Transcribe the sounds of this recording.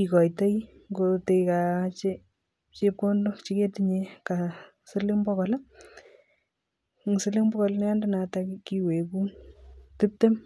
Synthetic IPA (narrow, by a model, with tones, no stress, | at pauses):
i˨kɔ˨jta˦j | ŋɡote˧jka˨t͡ʃe˦ | t͡ʃe˦p̚kondo˦t͡ʃi˦ke˦tiɲeka˨ | sɪlɪ˦ŋbɔ˦kɔ˨l | ŋ˨sɪ˦lɪ˦ŋbɔ˦kɔ˨lnɛ˦a˦ndɪ˦na˨takiki˦we˨ku˦ntɪp̚te˦m